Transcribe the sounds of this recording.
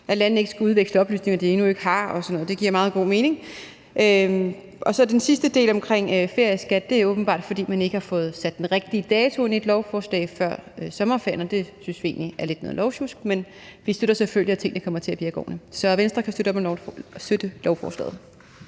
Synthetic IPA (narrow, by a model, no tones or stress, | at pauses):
ʔælænn̩e̝ɡ̥əsɡ̥æuð̞ˠʋeɡ̥sləɒ̽b̥ly̰sne̝ŋɐd̥ie̝nue̝ɡ̥əhɑ̈ɒ̽sɒ̽nɔ̽ð̩ˠde̝ɡ̥iɐ̰mɑ̈ːð̞̩ˠɡ̥o̝̰ːme̝ːne̝ŋ | ʔø | ʔɒ̽sɒ̽d̥ensisd̥əd̥e̝̰ːlɒ̽mkʰʁeŋ̰fe̝ɐjəsɡ̥æd̥̚ːe̝æɐɔ̽ːb̥n̩b̥ɑ̰̈ːd̥fɒ̽d̥ḭːmæne̝ɡ̥əhɑ̈fɔ̽ːð̞̩ˠsæd̥ːenʁeɡ̥̚d̥iəd̥ɛːt͡sʰo̝enid̥lɒʊfɒːslɛ̰ɪfɶɐ̰øsɒ̽mɐfeɐ̰nd̥e̝synsʋie̝̰ːnliʔæɐled̥nɔ̰ːðˠlɒʊɕusɡ̥men | ʋisd̥øɾ̥ɐseføljiæt͡sʰe̝ŋ̰d̥ɑkʰɒ̽m̰ɐt͡sʰe̝æb̥iɐɡ̥ɒ̰ːnəsɒ̽ʋensd̥ʁɐkʰæsd̥øɾɒsd̥ød̥əlɒʊfɒ̰ːslɛ̰ːð̩ˠ